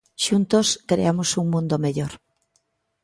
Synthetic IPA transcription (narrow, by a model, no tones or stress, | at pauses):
ʃunt̪oskɾḛamosuŋmũnd̪omeʎoɾ